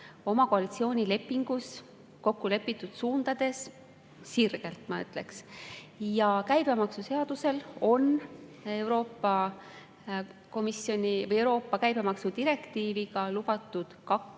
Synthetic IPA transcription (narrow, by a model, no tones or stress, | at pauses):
o̞mɑkoɑlit̪sio̞ːnʲile̞pːiŋɡ̥us | ko̞kːule̞pːˑit̪ːˑud̪̥suːnd̪̥ɑd̪̥e̞sː | irɡ̥e̞lt̪mɑy̰t̪ˑle̞̰ks | jɑkæjb̥e̞mɑksuse̞ɑd̪̥use̞lo̞ne̞wɾo̞ːpːɑ | ko̞misːjo̞nʲivɤje̞wɾo̞ːpːɑkæjb̥e̞mɑksud̪iɾe̞kt̪iːviɡ̥ɑlub̥ɑt̪ːˑud̪̥kɑk